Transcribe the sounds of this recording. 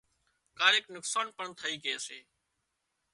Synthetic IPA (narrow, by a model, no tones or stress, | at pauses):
kaːɾeːknʊksaːnpəɳt̪ʰəiːkeːəseː